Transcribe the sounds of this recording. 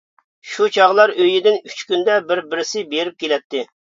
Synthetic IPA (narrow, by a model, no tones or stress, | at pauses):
ʃut͡ʃʰɑʁlˠɑɾøjɪd̪ɪnyt͡ʃkʲynd̪ɛbɪɾbɪɾɪsɪbeɾɪp̚kʲelɛt̪ʰːɪ